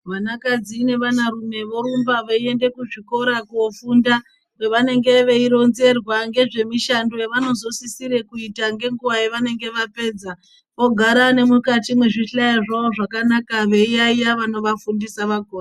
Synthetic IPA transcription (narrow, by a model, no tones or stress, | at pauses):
ʋanakad͡ziːne̞ʋanaɾume̞ʋo̞ɾumbaʋeie̞nde̞kuʐiko̞ɾakuofunda | we̞ʋane̞ŋɡe̞ʋeiɾo̞nze̞rwaŋɡe̞ʐe̞miʃando̞jeʋano̞zo̞sisiɾe̞kuitaŋɡe̞ŋɡuʋajeʋane̞ŋɡe̞ʋape̞ːd͡za | ʋo̞ɡʱaɾane̞mukatimweʐiɬajiʐaoʐakanakaʋe̞ijaijaʋano̞ʋafundisaʋakora